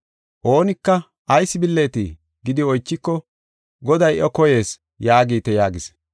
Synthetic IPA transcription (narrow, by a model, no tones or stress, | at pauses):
ʔo̞ːnɪkːɐ | ʔɐjsːɪbɪlːe̞ːt̪ḭ | ɡɪd̪ɪɔjt͡ʃːɪkːɔ | ɡɔd̪ɐjʔɔkɔje̞ːs | jaːɡiːt̪ːɛjaːɡɪs